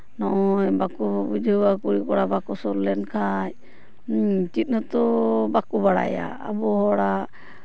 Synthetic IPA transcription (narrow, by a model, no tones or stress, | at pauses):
nɔʔɔjbakubud͡ʒʱəwakuɾikɔɽabakɔsɔɾlɛnkʰaj | t͡ʃit̪̚nɔt̪ɔbakubaɽa̰ja̰ːbɔhɔɽa